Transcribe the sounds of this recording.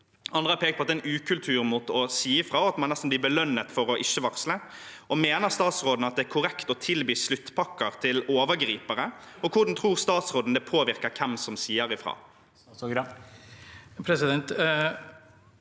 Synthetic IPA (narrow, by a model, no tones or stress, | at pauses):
ɑnd̪ʁəɑɾpʰeːkt̪̚pʰɔɑt̪d̪ɛnʉːkʰʉlt̪ʰʉːɾmuːt̪ɔsiːəfʁɑːɔɑt̪mɑnnɛst̪n̩blɪbəlœnːət̪fɔɾɔʔɪʃːəʋɑkslə | ʔɔmeːnəʁst̪ɑːt̪sʁoːd̪nɑt̪̚d̪ɛækʰʊʁɛkt̪ɔt̪ʰɪlbiːslʉt̪ːpʰɑkːəʁt̪ʰɪloːʋəɾɡɾiːpəɾəɔkʰʊɾd̪nt̪ʰɾuːʁst̪ɑːt̪sɾoːd̪n̩d̪ɛpʰoːʋɪɾkəɾkʰɛmsɔmsiːəɾɪfɾɑ̰ː | pʰɾɛsɪd̪ɛnt̪